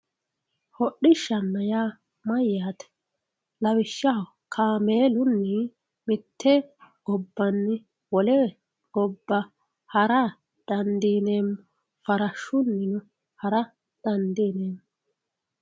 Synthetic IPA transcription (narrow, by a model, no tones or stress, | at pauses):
hɔɗːɪʃːɐnːɐjaː | mɐjːaːt̪ɛ̥ | lɐwɪʃːaw | kʰaːmeːlʊnːɪ | mɪt̪ʰːɛɡ̥ɔbːɐnːɪ | wɔlɛ | ɡɔbːɐ | hɐɾɐ | d̪̥ɐnd̪iːneːm | fɐɾɐʃːʊnːɪnɔ | hɐɾɐ | d̪̥ɐnd̪iːneːm